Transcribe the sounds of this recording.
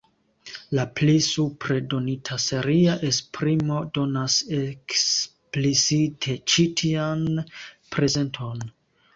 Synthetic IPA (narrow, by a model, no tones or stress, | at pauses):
laplisupɾedo̞nitʰase̞ɾiaʔe̞spɾimo̞do̞nase̞ksplisitʰe̞t͡ʃitʰianpɾe̞ze̞ntʰo̞n